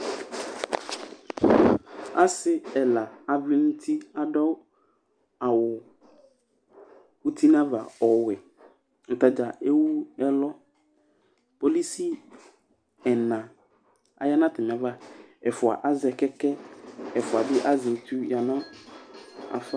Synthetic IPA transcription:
a˦sɪ˦ɛ˨la˨a˨vɪ˦nʊ˦tʰi˦a˨dɔ˦ | a˨wʊ˨ | wu˦tʰi˦nã˦va˨ɔ˨wɛ˨ | ŋ̩˨ta˨d͡ʒa˨e˦wu˦ɛ˦lɔ˦ | po˦li˦si˦ | ɛ˨nã˨ | a̰˨ja˦nã˦tɪ˨m˨a˨˦va˦ɛ˨fʊ˨a̰˨ʔa˦zɛ˨kɛ˦kɛ˦ɛ˨fʊ˨a˨dɪ˦ʔa˦zɪ˨t̪ʰu˦ja˨nã˦ | a̰˨fa˦

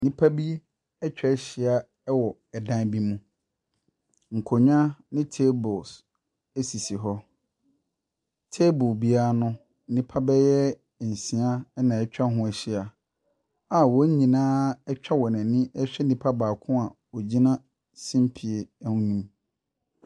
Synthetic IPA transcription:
nĩ˦pʰa˦bi˦ | ɛ˦t͡ɕᶣɛ˨˦ɛ˦ɕɪ˨a˦ | ɛ˦wɔ˨ɛ˨dã˦bi˦mũ˦ | ŋ̩˨kʰo˨ɲã˦nɪ̃˦tʰe˦bʊ˨s | e˦si˨si˨ɦɔ˦ | tʰe˦bʊ˨bi˦aː˦nʊ̃˦ | n̩˦nĩ˨pʰa˦bɛ˦jɛ˦˨ | n̩˨sĩ˨a˦nã˨ɛ˦t͡ɕᶣa˦ɦʊ̃˦ɛ˨ɕɪ˦a˨ | a˨wɔ˨˦ɲ˦ɲĩ˨nãː˦ɛ˦t͡ɕᶣa˦wɔ˨nã˨nĩ˦ɛ˦ɕᶣɛ˦nĩ˨pʰa˦baː˨kʰʊ̃˦a˨ | ɔ˨d͡ʑi˦nã˦ | sĩ˦m˦pʰi˨e˨˦hũ˦ɲũ˦m

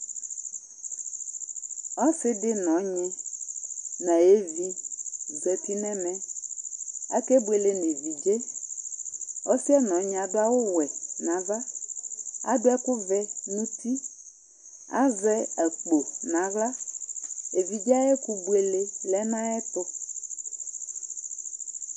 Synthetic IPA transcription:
ɔ˦fɪ˦dɪ˦nɔ̃˨˦ɲɪ̃˦ | nã˨e˦vi˦zɛ˨pi˦nɛ̃˦mɛ̃˦ | a˦kɛ˦bu˦e˨le˨˦ne˨vi˨d͡ʒe˦ | ɔ˦fi˦ɛ˦nɔ̃˨˦ɲɪ̃˨a˨dʊ˦a˦wʊ˦wɛ˨nã˨˦va˦ | a̰˨dʊ˦ɛ˦kʊ˦vɛ˦nũ˦ti˦ | a̰˦vɛ˦ɛ˨k͡po˨nã˨˦ɣla˦ | e˨vi˨d͡ʒa˦jɛ˦ku˦bu˨e˨le˦lɛ˦nã˦ɛ˦t̪ʊ˦

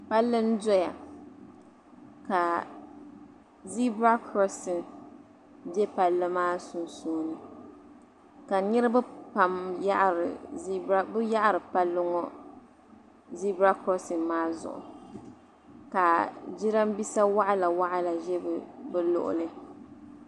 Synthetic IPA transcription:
pa˦lːɨ˦n˦dɔ˦ja˨ | ka˨ | zi˦bɾa˦kɾɔ˦sɨ˨n | d͡ʒɛ˦pa˨lːɨ˦maː˦su˨nsoː˦nɨ˨ | ka˨nɨ˦ɾɨ˦bɨ˦pa˨mja̰˦ʔɾɨ̰˨i˦ba˦bɨ˦ja˦ʔa˦˨ɾɨ˨pa˦lːʊ˦ŋɔ˦ | zi˦bɾa˦kɾɔ˦sɨ˨nmaː˦zʊ̰˨ʔʊ̰˨ | ka˨d͡ʒi˦ɾa˦mbi˦sa˦wa˦ʔa˦la˨wa˦ʔa˦la˨ʒɛ˦bɨ˨bɨ˦lʊ̰˨ʔʊ̰˨lɨ˦

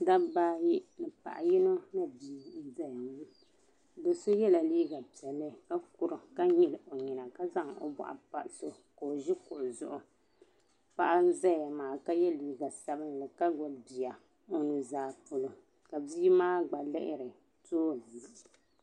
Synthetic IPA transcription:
da˦baː˦ji˦nɨ˨pa̰˨ʔa˨ji˦no˦na˦biː˨˦zɛ˦ja˨mi˦ | do˨so˦jɛ˦la˨liː˦ɡa˨pi˨ɛ˨lːɨ˦ka˦ku˨ɾɨ˨ka˦ɲi˨lʔo˨ɲi˨na˨ka˦za˦ŋo̰˨ba̰˦ʔa̰˨pa̰˨ʔso˦ | ko˨o˨ʒɪ˦kʊ˨ʔzʊ˦ʔʊ˨ | pa˦ʔa˦n̩˦za˦ja˨maː˨ka˦jɛ˦liː˦ɡa˨sa˦bɨ˦nlɨ˨ka˦ɡɔ˨lbi˨ja˨ | o˦nɨ˨zaː˨˦po˨lo˨ | ka˨biː˦maː˦ɡ͡ba˨lɪ̰˦ʔɪ˦ɾɨ˨ | toː˦˨nɨ˨˦

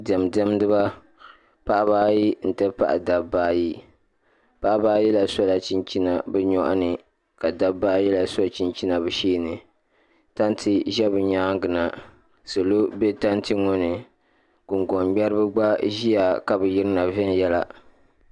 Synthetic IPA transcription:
dɛ˨m˨dɛ˦m˦dɨ˦ba˦ | pa˦ʔa˦baː˦ji˦n̩˨tɛ˦pa̰˦ʔa̰˨da˨baː˦ji˦ | pa˦ʔbaː˦jɛ˦la˨sɔ˦la˨t͡ʃi˦nt͡ʃi˦na˨bɛ˦ɲɔ˦ʔa̰˦nɨ˨ | ka˨da˦baː˦jɛ˦la˨sɔ˦t͡ʃi˦nt͡ʃi˦na˨bɨ˨ʃeː˦nɨ˨ | ta˦ntʰɨ˦ʒɛ˦bɨ˨ɲa˦ŋɡɨ˨na˨ | so˨lo˦be˦ta˦ntɨ˦ŋo˦nɨ˨ | ɡ̥ʊ˨ŋɡɔ˨mɡ͡bɛ˦ɾɨ˦bɨ˦ɡ͡ba˦ʒi˦ja˨ka˨bɨ˨ji˦ɾɨ˦na˨vɛ˦n˨jɛ˦la˨

